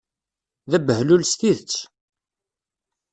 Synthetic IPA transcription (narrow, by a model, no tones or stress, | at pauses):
ðæbəhlulst̪iðət͡sː